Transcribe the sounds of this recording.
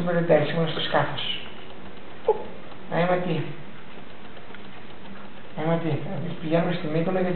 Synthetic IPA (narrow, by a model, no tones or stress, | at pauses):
umeðed̪ɐsimenɐst̪oskɐθos | nɐ̰imɐt̪i | nimɐt̪iɐmispiʝenumest̪imik̪onɐʝɐt̪